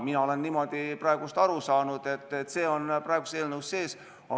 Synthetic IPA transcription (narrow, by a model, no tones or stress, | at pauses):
minɑo̞le̞nːimo̞d̪̥iprɑe̞ɡ̥ust̪ɑɾusɑːnud̪̥e̞t̪ːet̪ːse̞ːo̞nprɑeɡ̥use̞ːlnewsːe̞ːs | ʔɑ̰